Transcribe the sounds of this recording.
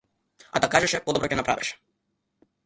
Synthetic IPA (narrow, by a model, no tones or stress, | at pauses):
a̰d̪akaʒɛʃɛpɔd̪ɔbɾɔcɛnapɾa̰vɛʃɛ̥